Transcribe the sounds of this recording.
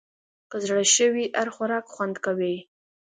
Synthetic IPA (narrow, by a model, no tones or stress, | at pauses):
kəzɽəʃəwiʔaɾxwaɾɑkxwand̪kawi